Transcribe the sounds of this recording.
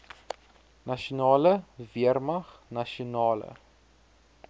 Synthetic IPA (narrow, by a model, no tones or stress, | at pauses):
nɐʃonɑːləviərmɐχnɐʃionɑːlə̰